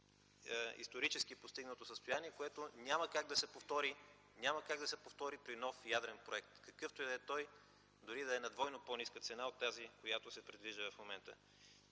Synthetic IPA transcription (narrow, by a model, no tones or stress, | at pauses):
ḭst̪oɾit͡ʃɛskipost̪iɡnət̪osəst̪ojaniɛkoɛt̪onʲaməkaɡ̚d̪ɐsɛpoft̪ɔɾi | nʲamɐkaɡd̪ɐsɛpoft̪ɔɾipɾinɔfjad̪ɾɛnpɾoɛk̚t̪kɐkɤft̪ojd̪ɛt̪ɔj | d̪ʊɾid̪ɐɛnɐd̪vɔjnoponiskət̪sɛnaot̪ːazikojat̪osɛpɾid̪viʒd̪əvɐfmomɛnt̪ə̰